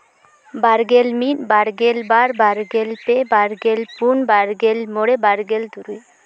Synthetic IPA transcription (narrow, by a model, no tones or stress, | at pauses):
baɾɡɛlmit̪̚baɾɡɛlbaɾbaɾɡɛlpɛbaɾɡɛlpunbaɾɡɛlmɔɽɛbaɾɡɛld̪uɾuj